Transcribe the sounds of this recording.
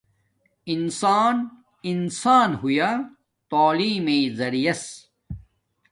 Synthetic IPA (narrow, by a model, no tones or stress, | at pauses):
insaːn | insaːnɦuja | t̪oːliːmeːzɐɾijɐs